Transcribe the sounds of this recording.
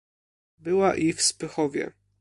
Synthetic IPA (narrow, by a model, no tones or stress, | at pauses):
bɘwaʔifspɘxɔvʲjɛ̰